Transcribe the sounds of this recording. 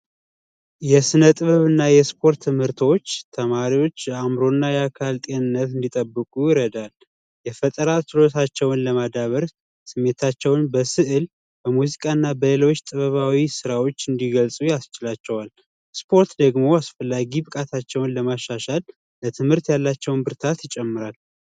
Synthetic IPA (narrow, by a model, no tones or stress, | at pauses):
jɛsɨnət̪ʼɨβəβɨnːajɛspʰo̞ɾt̪ʰːɨmhɨɾt̪ʰo̞t͡ʃːt̪ʰəmaɾiwo̞t͡ʃːjɛamɾo̞nːajɛakʰalt̪ʼenɨnːət̪ɨnd̪it̪ʼəbːɨkʼujɪɾəd̪al | jɛfət̪ʼəɾat̪ɨlo̞t̪ʰat͡ʃːɛwnləmad̪aβəɾ | sɨmːe̞t̪ʰat͡ʃːɛwnbəsɨʔɨl | bəmuzikʼaɨnːabəlelo̞t͡ʃːt̪ʼɨβəβawisɨɾawo̞t͡ʃːɨnd̪iɡəlsʼujast͡ʃɪlat͡ʃːɛwal | spʰo̞ɾt̪d̪əɡmo̞asfəlːaɡibɨkʼat̪ʰat͡ʃːɛwnləmaʃːaʃal | lət̪ʰɨmhɨɾt̪jalːat͡ʃːɛwnbɨɾt̪ʰat̪jɪt͡ʃʼɛmːɨɾal